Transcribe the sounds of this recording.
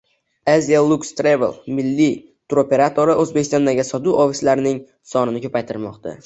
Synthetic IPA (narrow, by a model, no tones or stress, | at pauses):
azijalˠukst̪ɾevelˠmɪlːi | t̪ʰuɾope̞ɾat̪ʰo̞ɾɪʔɵzbekʲʰɪst̪ɒnd̪aɡʲɪsɒd̪uʔofɪslaɾnɪŋ | sɒnɪnɪkʰɵpajt̪ʰɪɾmɒqt̪a̰